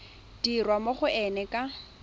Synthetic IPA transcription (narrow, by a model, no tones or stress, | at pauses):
d̥irwamoχʊɛnɛkʼa